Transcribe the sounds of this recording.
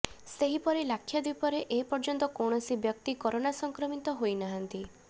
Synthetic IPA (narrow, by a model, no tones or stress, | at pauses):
seɦipɔɾelakʰːjad̪ipɔɾeʔepɔɾd͡ʒɔnt̪ɔkɔwɳɔsibjɔk̚t̪ikɔɾonasɔŋkɾɔmit̪ɔɦojnaɦant̪i